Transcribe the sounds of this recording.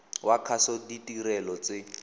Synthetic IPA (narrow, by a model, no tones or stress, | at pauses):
wakʰasɔditʼiɾɛlɔt͡sɪ